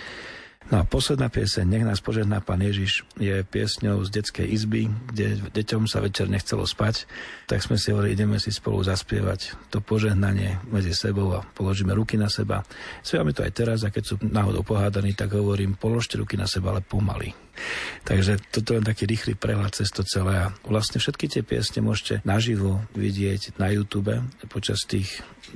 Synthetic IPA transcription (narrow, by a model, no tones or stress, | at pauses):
nɔapɔslɛd̪naːpɪɛsɛɲɲɛɣnaːspɔʒɛɦnaːpaːnjɛʒiʃjɛpɪɛ̰sɲɔʊzɟɛt͡skɛ̰jʔizbiɡɟɛɟɛcɔmsa̰ʋɛt͡ʃɛɾɲɛxt͡sɛlɔ̰spact̪a̰ɡz̥mɛsiɦɔʋɔɾiʔiɟɛmɛsispɔ̰lṵzaspɪɛ̰ʋa̰ct̪ɔpɔʒɛɦnaɲɪɛmɛd͡zisɛbɔʊapɔlɔʒiːmɛɾukinasɛba̰spjɛʋamɛt̪ɔa̰jt̪ɛɾazakɛcsuːnaːɦɔd̪ɔ̰ʊpɔɦaːd̪aniːt̪aɡɦɔʋɔɾiːmpɔlɔʃcɛɾṵkinasɛbaa̰lɛpɔma̰lḭ | t̪aɡʒɛt̪ɔt̪̬ɔɛlɛnt̪akiːɾiːxlḭːpɾɛɦlat̪̚t͡sɛst̪ɔt͡sɛlɛːaʋlasɲɛfʃɛt̪kit̪ɪɛpɪɛ̰sɲɛmʊɔʃcɛnaʒiʋɔʋḭɟɪɛcnajuːt̪uːbɛpɔt͡ʃast̪iːx